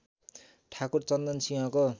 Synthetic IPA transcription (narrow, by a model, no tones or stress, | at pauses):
ʈʰakurt͡sʌnd̪ʌnsiɦʌ̃ko